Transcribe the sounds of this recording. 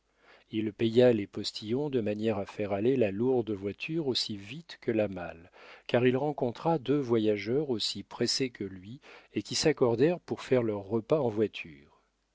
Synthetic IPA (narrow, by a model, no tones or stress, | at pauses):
ilpejalepɔst̪ʰijɔ̃d̪əmanjɛʁafɛʁalelaluʁd̪vwat̪ʰyʁosivit̪kʰəlama̰lkaʁilʁɑ̃kɔ̃t̪χad̪øvwajaʒœʁosipχesekʰəlɥiekʲisakɔʁd̪ɛʁpuʁfɛʁlœʁːəpaɑ̃vwat̪ʰyːʁ